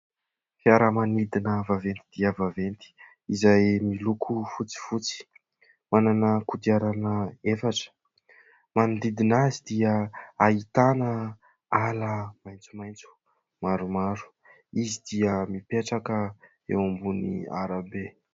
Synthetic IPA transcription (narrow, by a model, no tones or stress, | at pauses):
fiaɾamanid̪inəvavent̪id̪̥iəvavent̪i̥ | izajmilukʰufut͡si̥fut͡si̥ | mananəkut̪iaɾanəefaʈ͡ʂə̥ | mand̪id̪inazid̪iəait̪anə | aləmajnt͡sumajnt͡su̥ | maɾumaɾu̥ | izid̪iəmipeʈ͡ʂakə | ḛwambunḭa̰ɾabe